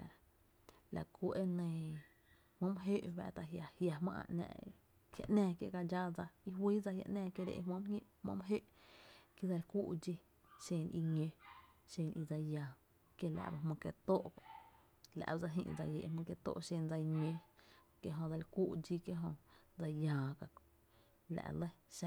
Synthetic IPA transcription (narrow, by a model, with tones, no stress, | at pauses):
la̰˨ku˧˦ʔe˦nə̃˧˨ | hmõ˦m˦ɦe˦ʔba̰˧ʔt̪a˧˨ɦja˨hja˧mã̰˦ʔã̰˧nɛ̰̃˧ʔ | hja̰˧ʔnɛ̃ː˧kjḛ˧˨ka˧d͡ʒa˦d͡za˧i˧wiː˦d͡za˧hja̰˧ʔnɛ̃ː˧kje˧ɾḛ˧ʔmõ˦m˦ɲʲẽ˦ʔhmõ̰˧˦m˧ɦe˦ʔki˦d͡za˧lkuː˦ʔd͡ʒi˦ | ʃẽː˧˨nʔi˧ɲẽ˧ʃẽː˧nʔi˧d͡za˧jãː˨ | kje˦la̰˧˨ʔba˧hmõ˧ke˧t̪o˦ʔba˨ | la̰˧ʔba˧d͡za˧ɦḭ̃˧ʔd͡za˧je˨ʔmə̃˧ke˧t̪o̰˦ʔʃẽː˧nd͡za˧i˧ɲẽ˧ | ke˧ɦõ˧d͡za˧lkuː˦ʔd͡ʒi˦ke˧ɦõ˧d͡za˧jãː˨ka˧k | la̰˧˨ʔlə˦ʃa˧